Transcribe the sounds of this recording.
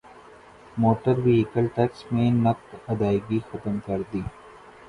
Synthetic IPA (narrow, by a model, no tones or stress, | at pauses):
moːʈəɾʋiɪkəlʈɛksmẽːnɐk̚t̪ɐd̪aːɪɡixɐt̪əmkɐɾd̪iː